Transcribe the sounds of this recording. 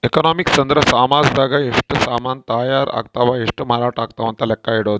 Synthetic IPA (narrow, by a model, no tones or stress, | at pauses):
ekɔnɔmiksənd̪ɾəsamad͡zd̪aɡaeʂʈəsamant̪ajaɾa̰k̚t̪aʋaeʂʈəmaɾaʈakt̪aʋə̃nt̪alɛkːaiɽot̪